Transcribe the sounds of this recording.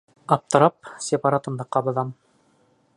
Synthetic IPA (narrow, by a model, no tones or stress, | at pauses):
ɑp̚t̪ɤ̆ɾɑp̚sʲɪpaɾat̪ɤ̆md̪ɤqɑbɤ̆ðɑm